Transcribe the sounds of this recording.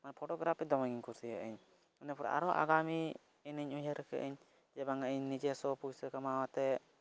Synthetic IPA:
manpʰɔʈɔɡɾapʰːɛd̪ɔmaŋiɲkuɾsiəʔɛɲ | unɛpɔɾa̰ʔa̰ɾɔʔa̰ɡami | ɛnəɲuɲɦəɾəkə̰ʔɛɲ | d͡ʒɛbaŋəʔɛɲnid͡ʒɛsɔpujsəkamawat̪ɛ

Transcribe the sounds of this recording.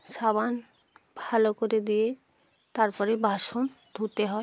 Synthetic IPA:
ʃaban | bʱalokoɾed̪ije | t̪aɾpɔɾebʱaʃon | d̪ʱut̪eɦɔe

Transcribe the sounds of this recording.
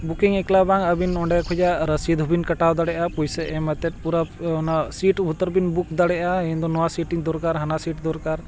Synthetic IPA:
bukiŋɛklabaŋəbinɔɳɖajakʰud͡ʒaɾəsid̪ʱubinkəʈawd̪aɽɛʔapujsɛʔɛmɛt̪ɛt̪̚puɾanasiʈbʱut̪əɾbinbuk̚d̪aɽɛʔaɛnd̪ɔnɔwasiʈiŋd̪ɔɾkaɾɦanasiʈd̪ɔɾkaɾ

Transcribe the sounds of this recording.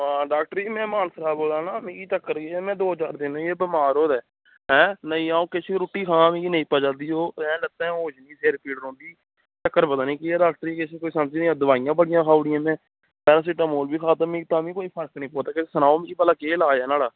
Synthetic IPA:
ɖaːk̚ʈəɾiːmɛ̃ːmaːnsɾaːboːlaːnãːmĩːkiːt͡ʃəkːəɾkeɛːmɛ̃ːd̪oːət͡ʃaːɾd̪ɪnõːeːbəmaːɾoːd̪ɛː | ɦɛ̃ːnəĩːaːõːkɪt͡ʃʰiɾoːʈːiːkʰãːmĩːɡiːnəĩːpəd͡ʒaːd̪iːoːɛ̃ːlət̪ːɛ̃ːoːd͡ʒnĩːsʰeːɾpiːɽɾõːnɖ̪iː | t͡ʃəkːəɾpəd̪aːnĩːkeɛːɖaːk̚ʈəɾiːkɪt͡ʃʰekoːiːsəmd͡ʒiːniːãːd̪ʊʋaːijãːbəɽɪjãːkʰaːʊɽɪjãːmɛ̃ː | pɛːɾaːs̬iːʈãːmoːlbiːkʰaːt̪aːmĩːt̪ãːmĩːkoːiːpʰəɾknĩːpoːt̪aːkesənaːoːmĩbəlaːkeːlaːɛːnaːlaː

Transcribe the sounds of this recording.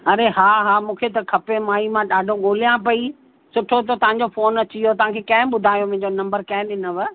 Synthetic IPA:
ɐɾeɦaːɦaːmũːkʰet̪ɐkʰɐpemaːimãɗaːɖʱoɠoːlijãpɐi | sʊʈʰot̪ot̪ɐʋ̤ɦãɲ̆d͡ʑofoːnɐt͡ɕijot̪ɐʋ̤ãkʰekɐ̃ɦɪ̃ɓʊd̪ʱaːjomʊ̃ɦɪ̃ɲd͡ʑonɐ̃mbəɾkɐ̃ɦɪ̃ɗɪnə̆ʋɪ

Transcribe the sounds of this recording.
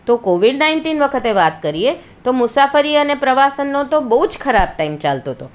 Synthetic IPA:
t̪okoʋiɖnaiɳʈinʋəkʰət̪eʋat̪kəɾie | t̪omʊsafəɾiənepɾəʋasənːot̪obəɦud͡ʒkʰəɾab̚ʈaimt͡ʃalt̪ot̪o

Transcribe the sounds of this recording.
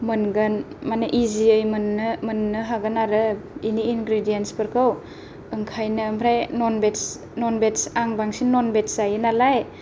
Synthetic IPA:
mɯnɡɯnmanɯʔiziɯjmɯnːɯmɯnːɯɦaɡɯnaɾɯiniːnɡɾidijenspɯɾkʰɯw | ɯŋkʰajnɯmpʰɾajnɔnbets | nɔnbetsaŋbaŋsinːɔnbetsajɯnalaj

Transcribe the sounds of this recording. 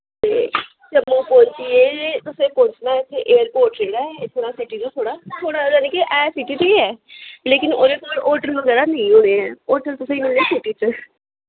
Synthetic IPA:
t̪eː | t͡ʃəmːõːpɔ̃ːɲt͡ʃieːt̪ʊsẽːpõːɲt͡ʃnaːet͡ʃʰeʔeːəɾpoːɾʈɾeːɖat̪ʰoːɽaːsɪʈiːd͡ʒõːt̪ʰoːɽaːt̪ʰoːɽaːod͡ʒaːnekiʔɛːsɪʈiːt͡ʃiɛːleːkɪnoːɾet̪ʰoɾʔoːɾʈəɾʋəɡɛːɾaːnẽĩɦoːneːɛːoːɾʈəɾt̪ʊsẽːimɪlneːsɪʈiːt͡ʃə

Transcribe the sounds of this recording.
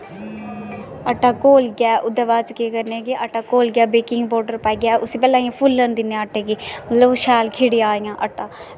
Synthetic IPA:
əʈːaːkoːlɡaːʔʊd̪aʋaːt͡ʃʊkːeːkəɾneːɡeːʔəʈːaːkoːlɡɪjaːbeːkɪŋɡbɔːɾɖəɾpɛːɡjaːʔʊsiːpɛːlãːĩãpʰʊlːənd̪ɪnːeaəʈʰːeːɡiːmət̪ləbʃɛːlkʰɪɽiːaːɪjãːʔəʈːaː

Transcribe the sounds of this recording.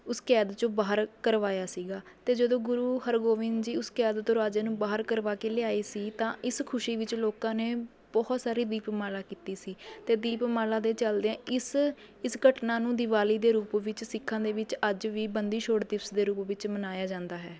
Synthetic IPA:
ʊskɛːd̪t͡ʃõːbaːɦəɾkəɾʋaːjaːsiːɡaːt̪eːd͡ʒəd̪õːɡʊɾuːhəɾɡoːʋɪ̃nd͡ʒiːʊskɛːd̪t̪õːɾaːd͡ʒaːnũːbaːɦəɾkəɾʋaːkeːlɪaːeːsiːt̪ãːɪskʰʊʃiːʋɪt͡ʃloːkãːneː | bɔːt̪saːɾiːd̪iːpmaːlaːkiːt̪iːsiːt̪eːd̪iːpmaːlaːd̪eːt͡ʃəld̪eɛ̃ːʔɪs | ɪsɡəʈnaːnũːd̪ɪʋaːliːd̪eːɾuːpʋɪt͡ʃsɪkʰːãːd̪eːʋɪt͡ʃəd͡ʒʋiːbənd̪iːʃʰoːɽd̪ɪsd̪eːɾuːpʋɪt͡ʃmənaːjaːd͡ʒãːnd̪aːɦɛː

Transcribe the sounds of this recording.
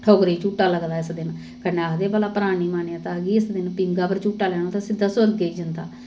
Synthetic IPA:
ʈʰoːɡɾiːt͡ʃuːʈaːləɡd̪aːɪsd̪ɪn | kəneaːd̪eːpəlaːpəɾaːniːmaːneãːt̪ãːɡiːɪsd̪ɪnpɪŋɡaːpəɾt͡ʃuːʈaːlɛːñõːt̪ãːsɪd̪aːsəɾɡeːiːd͡ʒɪnd̪aː

